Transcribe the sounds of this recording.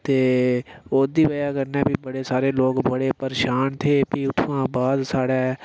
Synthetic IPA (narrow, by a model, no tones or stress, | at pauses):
t̪eːoːd̪iːbəjaːkəɾnɛːpiːbəɽeːsaːɾeːloːkbəɽeːpəɾeʃaːnt̪ʰeːpiːʊt̪ʰːãːbaːd̪saːɽɛː